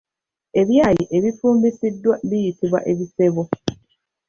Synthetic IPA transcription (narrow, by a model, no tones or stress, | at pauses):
e̞βjaːjiʔe̞βifuːmbisidːwaβijitiβwa̰ʔe̞βise̞βo